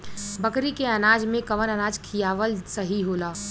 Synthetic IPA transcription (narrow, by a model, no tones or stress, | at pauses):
bəkɾikeɐnaːd͡ʒmẽkɐʋənənaːd͡ʒkʰijaːʋəlsəɦiɦoːlaː